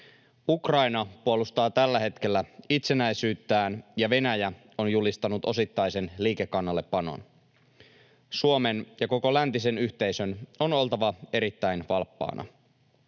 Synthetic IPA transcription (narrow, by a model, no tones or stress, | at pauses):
ukrɑinɑpuolust̪ɑːt̪ælːæɦe̞t̪k̟e̞lːæit̪se̞næjsyːt̪ːæːnjɑʋe̞næjæ | o̞njulist̪ɑnut̪o̞sit̪ːɑjse̞nliːkekːɑnːɑlːepːɑno̰n | suome̞njɑko̞ko̞lænt̪ise̞nyçt̪e̞jsø̞no̞no̞lt̪ɑʋɑe̞ɾit̪ːæjnʋɑlpːɑ̰ːnʔɑ̰